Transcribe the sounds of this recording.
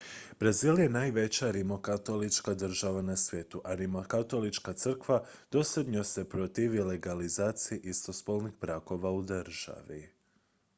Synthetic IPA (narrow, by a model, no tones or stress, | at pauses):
bɾaziːlje̞naːjʋe̞t͡ɕaɾimo̞kat̪o̞lit͡ʃkad̪r̩ʒaʋanasʋje̞t̪uʔaɾimokat̪o̞lit͡ʃkat̪sɨr̩kʋad̪̥o̞sed̪ɲose̞pɾo̞t̪iʋile̞ɡalizaːt̪sijiʔist̪ospolˠnixbɾako̞ʋaud̪r̩ʒ̥a̰ʋi